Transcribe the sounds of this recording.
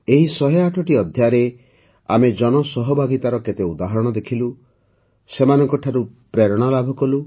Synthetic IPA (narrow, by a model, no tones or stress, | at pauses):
eɦisɔɦeaʈʰɔʈiɔd̪ʱjaɾe | a̰med͡ʒɔnɔsɔɦɔbʱaɡit̪aɾɔket̪eud̪aɦɔɾɔɽ̃ɔd̪ekʰilu | semanɔŋkɔʈʰaɾupɾeɾɔɽ̃alabʱɔkɔlu